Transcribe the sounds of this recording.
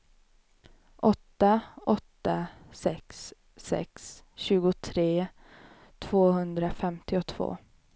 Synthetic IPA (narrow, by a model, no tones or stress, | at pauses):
ʔɔt̪ːaʔɔt̪ːasɛksː | ɛ̰ks | ɕʉ̟ːɡʊt̪ʰɾeː | t̪ʰv̥oːhɵnd̪ɾafɛmt̪ɪɔt̪ʰv̥o̰ː